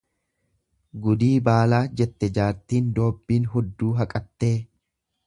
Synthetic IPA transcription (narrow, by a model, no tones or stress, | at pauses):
ɡʊd̪iːbaːlaːd͡ʒɛt̪ːɛd͡ʒaːɾt̪iːnd̪o̞ːbːiːnɦʊd̪ːuːɦɐkʼɐt̪ːe̞ː